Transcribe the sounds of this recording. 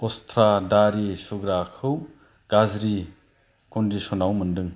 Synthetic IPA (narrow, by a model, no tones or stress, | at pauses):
ɔstʰɾadaɾisuɡɾakʰɯw | ɡ̥azɾi | kɔndisɔnawmɯndɯŋ